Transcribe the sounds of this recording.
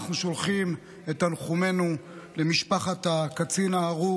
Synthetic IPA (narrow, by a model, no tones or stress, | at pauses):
aχnuʃo̞lχim | etanχume̞nulemiʃpaχat̪akat͡sinaːʁu